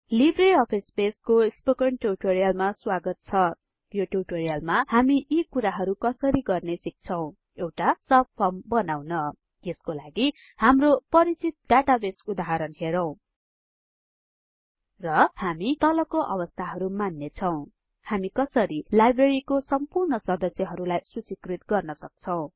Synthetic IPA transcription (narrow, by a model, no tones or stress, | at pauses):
libreʌpʰespeskospokʌɳʈuʈoɾijalmaswaɡʌt̪̚t͡sʰʌ | joʈuʈoɾijalmahamiʔikuɾaɦʌɾukʌsʌɾiɡʌrnesik̚t͡sʰʌw̃ | ewʈasʌb̚pʰʌmbʌnawnʌ | eskolaɡi | hamropʌɾit͡sit̪̚ɖaʈabesud̪aɦʌɾʌnɦeɾʌw̃ | rʌhamit̪ʌlʌkoʔʌ̰bʌst̪ʰaɦʌɾumanːet͡sʰʌw̃ | hamikʌsʌɾilajbreɾikosʌmpurnʌsʌd̪ʌsjʌɦʌɾulajsut͡sikrit̪ɡʌrnʌsʌk̚t͡sʰʌw̃